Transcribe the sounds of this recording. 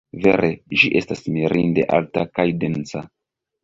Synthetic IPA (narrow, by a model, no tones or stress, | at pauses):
ve̞̰ɾeʒiʔe̞stasmiɾʔinde̞ʔa̰ltakajdent͡sa